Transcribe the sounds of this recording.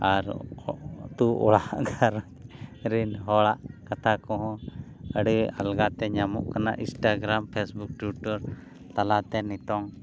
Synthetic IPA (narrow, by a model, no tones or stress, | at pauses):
aɾɔʔt̪uʔɔ̰ɭaʔɡaɾɔ | ɾinɦɔɭaʔkat̪akɔɦɔ̃əɽia̰lɡat̪ɛɲamṵʔkana̰ʔĩsʈaɡɾampʰɛsbuk̚ʈwuʈɔɾ | t̪alat̪ɛnit̪ɔŋ